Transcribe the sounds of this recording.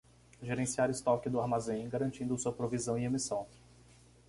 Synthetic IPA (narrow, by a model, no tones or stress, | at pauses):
ʒeɾẽsiaɾɪst̪ɔkɪd̪ʊaɾmazẽɡaɾɐ̃nt͡ʃĩnd̪ʊsuɐpɾovizɐ̃w̃iemisɐ̃w̃